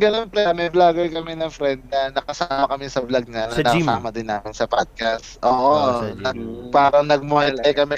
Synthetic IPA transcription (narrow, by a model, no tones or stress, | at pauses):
ɡɐnonplɛmɛblaːɡojkɐmɛnɐŋfɾɛnd̪̚nɐnɐkɐsaːmɐkɐmɪsɐblɐɡ̚ɲɐnɐnɐksaːmɐd̪ɪnːaːmɪnsɐpad̪̚kɐs | ʔoːʔonɐpaːɾɐŋnɐɡ̚mʊɐj̪ɐjkɐmɛ